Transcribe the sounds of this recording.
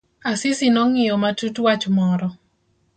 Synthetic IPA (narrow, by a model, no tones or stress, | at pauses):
asɪsinɔŋɪjɔmatutwat͡ʃmɔɾɔ